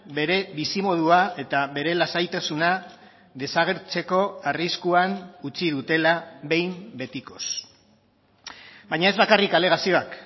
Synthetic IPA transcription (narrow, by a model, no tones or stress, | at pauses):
be̞ɾe̞βisimo̞ð̞uae̞t̪aβe̞ɾe̞lasajt̪asuna | ðe̞saɣ̞e̞ɾt͡se̞ko̞ariskuanut͡siðut̪e̞laβe̞jmbe̞t̪iko̞s | bajɲae̞zβakarikale̞ɣ̞asio̞ak